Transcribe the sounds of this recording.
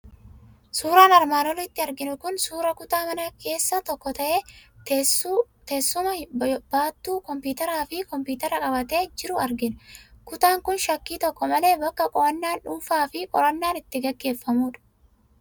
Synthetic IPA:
suːɾaːnɐɾmaːnɔlɪt̪ːɪɐɾɡɪnʊkʊnsuːɾɐkʊt̪aːmɐnɐkʰe̞ːsːɐt̪ɔkːɔt̪ɐʔe̞ː | t̪eːsːʊmɐb̥aːt̪ːuːkɔmpuːt̪ɐɾaːfɪkɔmpuːt̪ɐɾɐkʼɐbɐt̪e̞ːd͡ʒɪɾʊɐɾɡɪnkʊt̪aːŋkʊnʃɐkːiːt̪ɔkːɔmɐle̞ːbɐkːɐkʼɔʔɐnːaːnᶑuːfaːfɪkʼɔ̰ɾɐnːaːnɪt̪ːɪɡɐɡːe̞ːfːɐmuːᶑɐ̥

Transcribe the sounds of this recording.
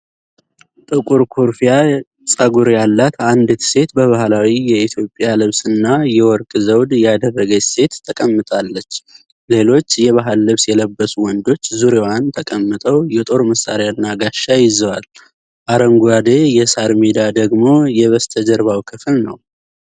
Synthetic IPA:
t̪ʼɨkʼuɾkʰuɾfija | sʼaɡuɾjalːat̪and̪ɨt̪ʰse̞t̪bəβahlawijɛit̪ʰjo̞pʼːjalɨβsɨnːajɛwɔɾkʼɨzəwd̪jɛad̪ərːəɡəse̞t̪ʰːəkʼəmːɨt̪ʼalːət͡ʃː | le̞lo̞t͡ʃːjɛβaɦɨlːɨβsjɛləbːəsuwɔnd̪o̞t͡ʃːzuɾewant̪ʰəkʼəmːɨt̪ʼəwjɛt̪ʼo̞ɾməsːa̰ɾjanːaɡaʃːajɪzəwal | ʔaɾəmɡwad̪ejɛsaɾmed̪ad̪əɡmo̞jɛβəst̪ʰəd͡ʒəɾβawkʰɨfɨlnə̰w

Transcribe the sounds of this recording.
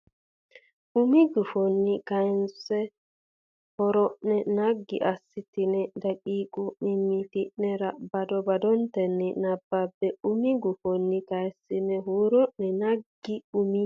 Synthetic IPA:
ʔumiɡufonːikansɛ | hɔɾɔnɛnaɡːḭʔasːitinɛdakiːkʼumimːifiʔnɛɾabadɔbadɔntɛnːinabːabːɛumiɡufonːikajsinɛɦuɾɔʔnɛnaɡiumi

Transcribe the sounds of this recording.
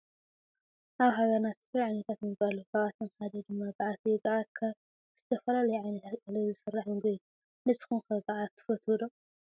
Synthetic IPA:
ʔaβɦaɡɐɾnazɨt̪ʰɐ̥fajʕajnɐt̪ʰat̪jmɨbalukʰaβat̪ʰɨnkad̪ɐd̪ɨmːabɨʕat̪ʰiɡaʔat̪kʰa | z̥ɨt̪ʰɐfɐlalɐjuʕajnɐt̪ʰat̪kʼalɐzɨsɨrːaħɨnɡɐju | nɨsxunkɐɡaʔat̪ʰːɨ̥fɐt̪ʰud̪o

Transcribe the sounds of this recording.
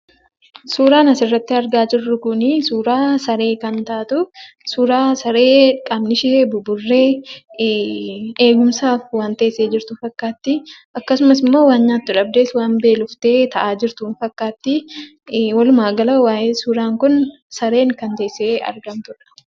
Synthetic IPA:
suːɾaːnɐsɪrːɐt̪ːɪɐɾɡaːd͡ʒɪrːʊkʊnɪsuːɾaːsɐɾe̞ːkɐnt̪aːt̪ʊ | suːɾaːsɐɾe̞ːkʼabnɪʃeebʊbʊrːeː | eːɡʊmsaːfwaːnt̪eːsːeːd͡ʒɪɾt̪ʊfɐkːaːt̪ːɪʔɐkːɐsʊmɐsɪmːo̞ːwaːnɲaːt̪ːʊᶑɐb̚d̪e̞ːswaːmbe̞ːlʊft̪e̞ːt̪ɐʔaːd͡ʒɪɾt̪uːnfɐkːaːt̪ːɪ | wɐlʊmaːɡɐlɐwaːjeːsuːɾaːŋkʊn | sɐɾe̞ːŋkɐnt̪eːsːeːɐ̰ɾɡɐmt̪ʊᶑɐ̥

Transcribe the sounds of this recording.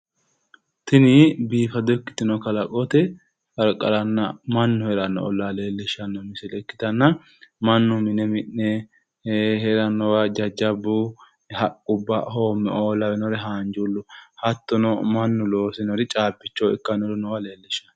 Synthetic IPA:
t̪ɪnɪbiːfɐd̪ɔkːɪ̥t̪ɪnɔkɐlɐkʼɔt̪ɛ | fɐɾkʼɐ̰ɾɐnːɐmɐnːʊhɛɾɐnːɔ̰ːlːaleːlːɪʃɐnːɔmɪsɛlɛkːɪ̥t̪ɐnːɐ | mɐnːʊmɪnɛmɪnnɛ | hɛɾɐnːɔwɐd͡ʒɐd͡ʒɐbu | hɐkʼːʊbːɐhoːmːɛ̰oːlɐwɛnɔɾɛɦaːnd͡ʒulːʊhɐt̪ːɔnɔmɐnːʊlo̞ːsɪnɔɾɪt͡ʃʼaːbːɪt͡ʃːɔːɪkːɐnɔɾɪnɔwɐle̞ːlːɪʃːɐ̥n

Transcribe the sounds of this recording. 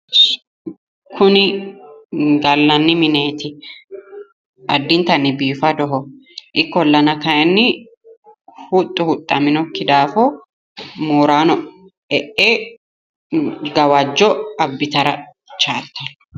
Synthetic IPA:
kʰʊnɪ | ɡɐlːɐnːɪmɪne̞ːt̪ɪ | ʔɐd̪ːɪnt̪ɐnːɪbiːfɐd̪ɔɦɔ | ʔɪkːɔlːɐnɐkɐjɛnːɪ | hʊt̪ʼːʊhʊt̪ʼːɐmɪnɔkːɪd̪aːfɔ | moːɾaːnɔ | ɛʔe | ɡɐwad͡ʒːɔɐbːɪt̪ɐɾɐ | t͡ʃaːt̪ːɐn

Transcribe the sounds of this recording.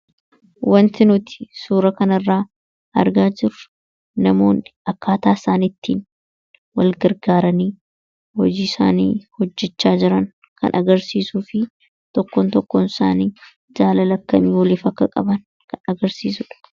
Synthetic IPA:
wɐnt̪ɪnʊt̪ɪ̥suːɾɐkɐnɐrːaː | ʔɐ̰ɾɡaːd͡ʒɪɾʊ | nɐmo̞̰ːnɪʔɐkːaːt̪aːsaːnɪt̪ːiːn | wɐlɡɐɾɡaːɾɐniː | hɔd͡ʒiːɪsa̰ːnḭːhɔd͡ʒːɛt͡ʃːaːd͡ʒɪɾɐn | kɐ̰nʔɐɡɐɾsiːsuːfɪ | t̪ɔkːɔnt̪ɔkːɔnɪsa̰ːniː | d͡ʒaːlɐlɐkːɐmiːwɐlɪfɐkːɐkʼɐ̰bɐn | kʰɐnɐɡɐɾsiːsʊᶑɐ̥

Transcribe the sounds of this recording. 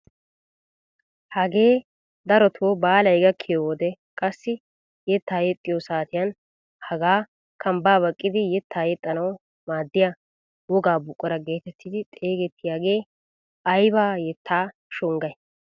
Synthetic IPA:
hɐɡe̞ː | d̪ɐɾɔt̪ʰoːbaːlɐjɡɐkʰːɪjowɔd̪ɛ | kʼɐsːɪ | jɛt̪ːaːjɛt̪ʼːɪjosaːt̪ɪjɐn | hɐɡaː | kʰɐmbaːβɐkʼːɪd̪ɪjɛt̪ʰːaːjɛt̪ʼːɐnɐw | maːd̪ːɪja | wɔɡaːbʊkʼːɔɾɐɡe̞ːt̪ɛt̪ʰːɪd̪ɪt̪ʼe̞ːɡɛt̪ʰːɪjaːɡe̞ː | ɐjbaːjɛt̪ʰːaː | ʃʊŋɡɐj

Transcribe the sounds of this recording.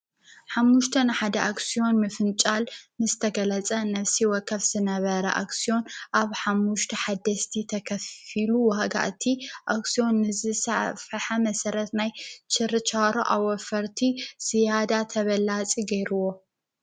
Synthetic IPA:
ħamːuʃt̪ʰɐnɨħad̪ɐʔaksijo̞nmɨfɨnt͡ʃʼalnɨzɨt̪ʰɐɡɐlɐt͡sʼɐnɐfsiwɔkʰːɐβz̥ɨnɐβɐɾɐ̰ʔa̰ksijo̞nʔaβħamːuʃt̪ʰɐħad̪ɐst̪ʰit̪ʰɐkʰɐfiluwaɡa̰ʔt̪ʰiʔaksijo̞nːɨzɨsaʕfɨħamɐsɐɾɐt̪najt͡ʃɨɾɨt͡ʃʰaɾoʔawɔfɐɾt̪ʰiz̥ijad̪at̪ʰɐβɐlat͡sʼiɡɐjɾuwo̞

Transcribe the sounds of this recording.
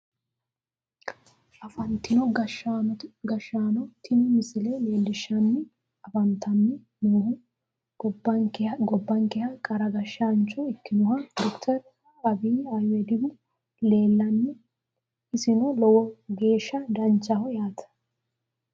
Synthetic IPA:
ʔɐfɐnt̪ːɪnɔɡɐʃɡɐʃːaːnɔt̪ʰɪnɪmɪsɪlɛleːlːɪʃːɐnːɪ | ɐfɐnt̪ɐnːɪ | nuːhʊ | bɐɡɔbːɐŋkɛhɐkʼɐɾɐɡɐʃːant͡ʃːɔɪkːɪnʊhɐd̪ɔkt̪ʰɛɾ | ɐbiːajɛd̪ɪbʊ | leːlːɐnːɛ | ɪsɪnɔlɔwɔɡe̞ːʃːɐd̪ɐnt͡ʃːɐhɔjaːt̪ʰɐ̥

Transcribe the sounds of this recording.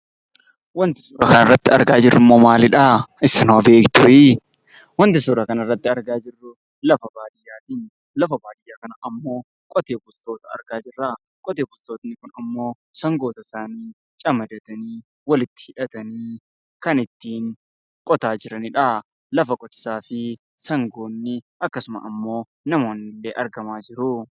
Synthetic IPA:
wɐnt̪ɪ̥suːɾɐkɐnɐrːɐt̪ːɪɐ̰ɾɡaːd͡ʒɪrːɪmːoːmaːlɪᶑaːɪsɐnobe̞ːkt̪ʊʔi | wɐnt̪ɪsuːɾɐkɐnɐrːɐt̪ːɪɐɾɡaːd͡ʒɪrːʊ | lɐfɐbaːd̪ɪjːaːt̪iːn | lɐfɐbaːd̪ɪjːaːkɐnɐʔɐmːo̞ː | kʼɔt̪eːbʊlt̪o̞ːt̪ɐɐ̰ɾɡaːd͡ʒɪrːaː | kʼɔt̪eːbʊlt̪o̞ːt̪nɪkʊnɐmːo̞ː | sɐŋɡo̞ːt̪ɐsaːniː | t͡ʃʼɐmɐd̪ɐt̪ɐniː | wɐlɪt̪ːɪ̥hɪᶑɐt̪ɐniː | kɐnɪt̪ːiːŋ | kʼɔt̪aːd͡ʒɪɾɐnɪᶑa | lɐfɐkʼɔt̪ɪ̥saːfɪ | sɐŋɡo̞ːnːɪ | ɐkːɐsʊmɐ̰ʔɐmːo̞ː | nɐmo̞ːnːɪlːeːʔɐɾɡɐmaːd͡ʒɪɾʊ

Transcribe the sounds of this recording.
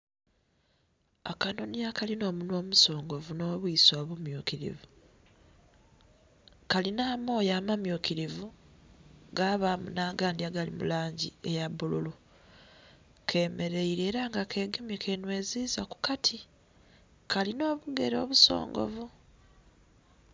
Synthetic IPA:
akano̞niakalino̞ːmunwo̞ːmuso̞ːŋɡo̞vuno̞ːβuiswaːβumjuːkiɾḭvu | kalinaːmo̞ːjaːmamjukiɾivu | ɡaβamunaːɡaːndiaɡalḭmṵlaːɲɟḭejaβululu | kʰe̞ːme̞ɾe̞iɾe̞ːɾaŋɡakʰe̞ːɡemikʰe̞nwe̞ːziːzaku̥katʰi | kʰalino̞ːβuɡe̞ɾo̞̰ːβuso̞̰ːŋɡo̞̰vu

